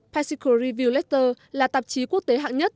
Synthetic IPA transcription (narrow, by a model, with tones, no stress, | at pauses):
pʰa˧si˧ko˧ɾi˧vi˧əwlɛ˦˥t̚t̪əː˧ | laː˨˩t̪ə˨˩p̚t͡ɕi˨˦ku˦˥ək̚t̪e˨˦ɦa̰ː˧˨ŋɲə˦˥t̚